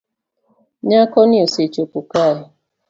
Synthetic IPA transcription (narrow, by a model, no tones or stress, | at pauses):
ɲakɔnioset͡ʃopukaɦɪ